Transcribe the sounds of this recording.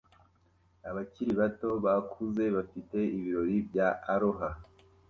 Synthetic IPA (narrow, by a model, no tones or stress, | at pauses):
aβaciɾiβato̞βakʰuze̞βafite̞iβiɾo̞ɾibjaʔːɾoɦa